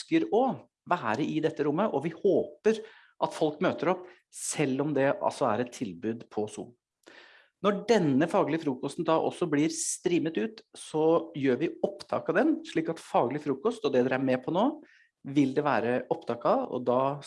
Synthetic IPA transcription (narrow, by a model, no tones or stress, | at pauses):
kəɾɔ | ʋæːɾəʔɪd̪ɛt̪ːəɾʊmːəʔɔʋɪhoːpəɾ | ʔɑt̪fɔlkmøːt̪əɾɔp | sɛlːɔmd̪ɛʔɑ̰lsɔæɾɛt̪ʰːɪlbʉːd̪pʰɔsṵː | nɔɖɛnːəfɑːɡlɪəfɾuːkɔst̪n̩d̪ɑːʔɔ̰sːɔblɪːɾst̪ɾiːmət̪ʉːt̪sɔjøːʋɪɔpd̪ʰɑ̰ːkɑd̪ɛnʂɭiːkɑt̪fɑːɡlɪfɾuːkɔst̪ɔd̪ɛd̪ɛɾæɾmɛpʰɔnoː | ʋɪld̪ɛʋæ̰ːɾəʔɔpd̪ʰɑːkɑɔ̰d̪ɑː